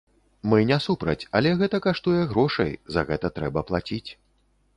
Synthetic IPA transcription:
mɨnʲasupɾɐ̰t͡sʲɐlʲɛɣɛt̪ɐkaʂt̪ujɛɣɾɔʂɐ̰jzɐɣɛt̪ɐt̪ɾɛbɐplˠat͡sʲit͡sʲ

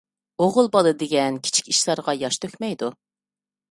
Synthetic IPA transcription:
oʁʊlˠbɑlˠɨd̪eɡʲɛnkʲʰi̥t͡ʃʰi̥kʲiʃlˠɑɾʁɑjɑʃt̪ʰøkʲmɛjd̪u

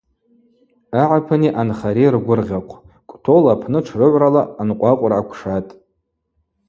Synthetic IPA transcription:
aʕapʰaniʔanχaɾejrɡʷʊrʁʲaqʷʰʼ | kʷʼtʰo̞lapʰnɨʈ͡ʂʰrɨʕʷralaːnqʷʼaqʷʼʊrʕakʷʰʂatʼ

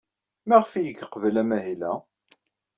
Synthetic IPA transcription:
mæʁfijəɡəqəvəlæmæɦilæ

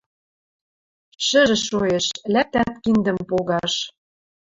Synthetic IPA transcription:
ʃə̆ʒɘ̆ʃoeʃlæp̚t̪æt̪kind̪ə̆mpoɣɑʃ

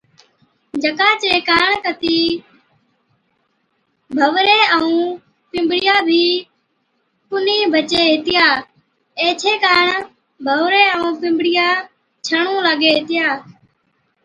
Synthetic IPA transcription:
d͡ʒəkaːt͡ʃeːkaːɳkət̪iː | bʱəʋɾeːəũː | pɪ̃mbɽɪjaːbʱiː | pʊniːbʱət͡ʃeːɦɪt̪ɪjaː | eːt͡ʃʰeːkaːɳ | bʱəʋɾeːəũːpɪ̃mbɽɪjaː | t͡ʃʰəɳũːlaɡeːɦt̪ɪjaː

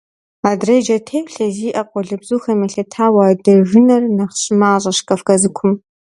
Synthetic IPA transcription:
aːdrɐd͡ʒɐtʰeːwɬɐziːʔɐqʷʼɔɮɐbz̥uːxɐmɐɬɐtʰaːwadɐʒɨnɐrnɐχɕʼɪmaːɕʼɐɕkʼɐfkʼɐzɨkʷʰʊm

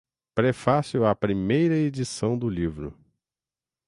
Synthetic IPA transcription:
pɾɛfasiwɐpɾimejɾɐed͡ʒisɐ̃w̃d̪ʊlivɾʊ̰

